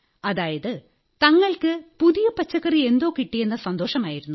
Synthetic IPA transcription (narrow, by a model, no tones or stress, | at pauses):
ɐðaːjɐðɨ | t̪ɐŋːɐɭkɨpuðijɐpɐt͡ɕːɐɣɐrie̞nd̪o̞ːkiʈːijenːɐsɐnd̪o̞ːʂɐmaːjiɾunːu